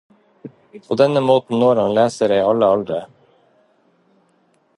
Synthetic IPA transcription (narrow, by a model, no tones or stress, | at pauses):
pʰoːd̪ɛnəmoːt̪n̩noːɾɑnleːsəɾeɪɑləɑld̪ɾə